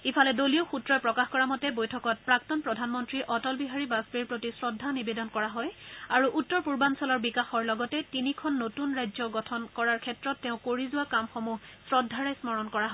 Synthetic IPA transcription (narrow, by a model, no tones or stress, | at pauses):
ipʰalɛdolijoxutɹɔjpɹɔkaxkɔɹamɔtɛbojtʰɔkɔt̚pɹak̚tɔnpɹɔdʱanmɔntɹiʔɔtɔlbiɦaɹibasbiɹpɹotisɹɔdʱːanibedɔnkɔɹaɦɔjaɹuʔutːɔɹpuɹbansɔlɔɹbikaxɔɹlɔɡɔtɛtinikʰɔnːotunɹajzɔɡɔtʰɔnkɔɹaɹkʰɛtɹɔtːɛʊ̃koɹizʊwakamxomusɹɔdʱːaɹajsmɔɹɔnkɔɹaɦɔ